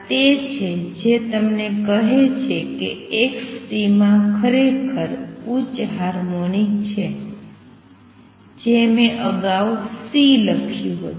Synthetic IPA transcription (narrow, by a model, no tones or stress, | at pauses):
t̪et͡ʃʰed͡ʒet̪əmnekəɦet͡ʃʰekḛekst̪imãkʰəɾekʰəɾut͡ʃɦaɾmonit͡ʃʰe | d͡ʒemẽʔəɡawsiləkʰjũɦə̰